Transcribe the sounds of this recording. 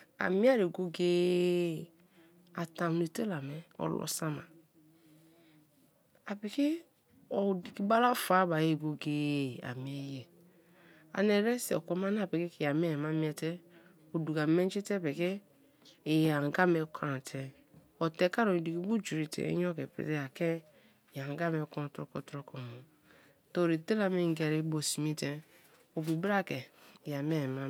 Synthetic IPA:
a̰˨mi˦a˦ɾe˨ɡo˦ɡeː˦ | a˨ta˨ne˨te˦la˨mɛ˨ɔ̰˨lɔ̰˨sa˦ma˨ | a˨pe˨ki˦ | ɔ˨di˨ki˦ba˦la˦fa˨˦ba˨je˦˨ɡo˨ɡeː˨a̰˨mi˨˦ɛ˦jɛ˨ | a̰˨nɛ˨ɾɛ˦sɛ˨ɔ˨kɔ˨˦ma˦n˦a˦˨pe˨ki˦ki˨a˨mɛ˦˨ma˦mi˦ɛ˨tɛ˦ | o˨du˨ɡa˨me˦n˦t͡ʃi˦te˦pe˨keː˦˨ | ja˨ŋ˨ɡa˦me˨˦kʰa˨ɾa˨tʰɛ˨ | o˨te˨˦ka˦ɾo˨i˨du˨ki˦bu˦d͡ʒu˨ɾi˨tḛ˨ḛ˦ɲ˦o˦ke˨pḛ˦˨te˦a˨ke˦˨ | ja˨ŋ˨ɡa˦me˨kɔ̃˦˨˦tɾo˦kɔ˦tɾo˦kɔ˨mo˨ | to˦˨ɾi˨te˦la˦me˦˨ŋ˦ɡe˨ɾi˦bo˨si˨mi˦te˨˦ | o˨bi˨bɾa˦ke˨ja˨m˦e˦˨ma˦

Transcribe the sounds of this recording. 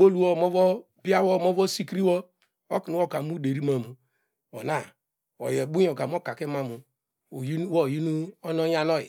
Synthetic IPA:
o˦lu˦wɔ˦˨mo˦vɔ˦ | bi˦a˦wɔ˦˨mo˦vɔ˦si˦kɾi˦wɔ˦ | o˦ki˨n˦wo˦˨ka˨mu˦de˨ɾi˦ma˨mu˨ | o̰˨na˦˨ | ɔ̰˨jɛ˨bu˦o˨ka˨m˦o˦˨ka˨ke˦ma˦˨mu˨ | ji˦wɔ˦˨ji˦nu˦ɔ˦nɔ˦ja˦nɔ˦jḭ˨

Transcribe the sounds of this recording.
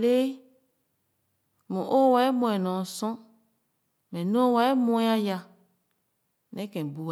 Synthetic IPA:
le˦ | mũ˨ʔo˦wa˨˦e˦mõ˨ɛ˨nɔ̃˨sɔ̃˦ | mɛ̃˨nõ˦wa˨e˦mɔ̃˨˦a˦ja˨ | nɛ̃˦kɛ̃˨bu˨

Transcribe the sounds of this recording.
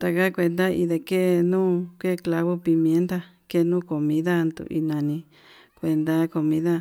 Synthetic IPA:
t̪a˧ka˦kʷe˧nd̪a˦i˧ðe˧ke˦˧nũː˦ke˦˧kla˧βo˦pi˧mjẽ˧˦nd̪a˦ | ke˦˧nũː˦˨ko˨mĩ˦ða˦nd̪ṵ˧˨ʔḭ˧nã˧nĩ˧ | kʷe˧nd̪a˦ko˧mĩ˦ða˦

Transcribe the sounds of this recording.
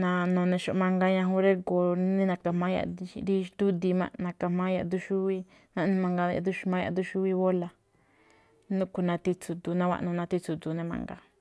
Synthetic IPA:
nã˧nõ˨˧nẽ˧ʃo˧ʔmã˧ŋɡa˧ɲã˧ɦũ˧˦ɾe˦ɡo˧nĩ˦nã˧ka˧˨mã˧˦ja̰˧˨˧di˦ʃd̪u˦d̪i˧mã̰˧nã˨˧ka˧mã˦ja̰˧ʔd̪u˧ʃu˦i˦ | nã˧nĩ˧mã˧ŋɡa˧ja̰˧˨d̪u˧ʃmã˧˦ja̰˧d̪u˧ʃu˦wi˧βo˦la˧ | nũ˦ku˧nã˧t̪i˧t͡su˧d̪u˧nã˦wʷa̰˧ʔnũ˧nã˧t̪i˧t͡su˧d̪u˧nẽ˧mã̰˧ŋɡa̰˧

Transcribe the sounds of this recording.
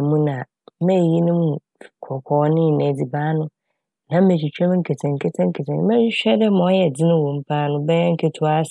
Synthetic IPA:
mũ˦nã˨˦ | mɛ̃˦˨ji˦nʊ̃˦mũ˦˨ | kʰɔ˨kʰɔː˨˦nɪ̃˦˨nɛ̃˨d͡zi˨baː˦nʊ̃˦ | nã˨˦m̩˦me˨t͡ɕʰᶣi˨t͡ɕʰᶣɛ˦m̩̃˦kʰe˨tʰɛ̃˨ŋ̩˨kʰe˦tʰɛ̃˦ŋ̩˦kʰe˨tʰɛ̃˨n˦mɛ̃˦ɕᶣɛ˦dɛ˦mã˨˦jɛ˨d͡zɪ˦nʊ̃˦wo˨m̩˦pʰa˦nʊ̃˦bɛ˦ɛ̃˦ŋ̩˦kʰe˦tʰʊ˦a˦s

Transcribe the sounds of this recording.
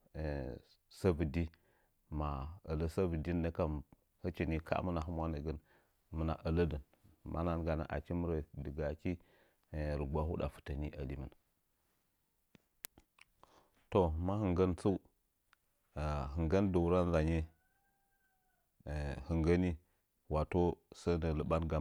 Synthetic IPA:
sa˦bə˨di˦ | ma˨ə˨lə˦sa˦bə˨di˦nː˦ə˦ka˦m | hə˦t͡ʃi˨ni˦kʰa̰˦mə˦na˨ɦə˦mwa˦nə˨ɡə˦n | mə˨na̰˨ʔə˨lə˦də˨n | mʔa̰˦na˦nɡa˨na̰˨ʔa̰˨ki˦mə˦ɾə˨də˨ɡa˨ki˦˨ | ɾə˨ɡ͡ba˦hu˦da̰˨fə̥˨tə˨ni˦ʔa˨li˦mə˨n | to˨ma˦hə˨ŋɡə˦nt͡su˦u˦˨ | ɦɨ˨ŋɡə˦ndə˨ɾa˦n˦za˨ɲe˦˨ | hə˨ŋɡə˦ni˦ | wa˨to˦sə˦nə˨lə˨ɓa˦nɡa˨

